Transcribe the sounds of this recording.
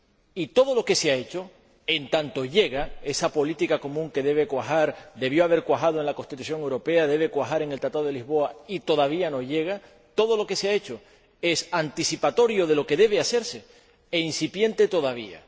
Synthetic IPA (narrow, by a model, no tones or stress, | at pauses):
it̪o̞ð̞o̞lo̞ke̞seae̞t͡ʃo̞ | e̞nt̪ant̪o̞ʎe̞ɣae̞sapo̞lit̪ikako̞mũŋke̞ðe̞β̞e̞kwahaɾd̪e̞βjo̞aβe̞ɾkwaxaðoeŋlako̞nst̪it̪usjo̞ŋe̞wɾope̞aðe̞β̞e̞kwaɦaɾe̞ŋelt̪ɾat̪aðelizβo̞ait̪o̞ðaβ̞iano̞ʝe̞ɣ̞a | t̪o̞ðo̞lo̞ke̞seae̞t͡ʃo̞ | e̞sant̪isipat̪o̞ɾjo̞ð̞e̞lo̞ke̞ðe̞β̞ease̞ɾse̞ | einsipjẽ̞nt̪e̞t̪o̞ð̞aβ̞ia̰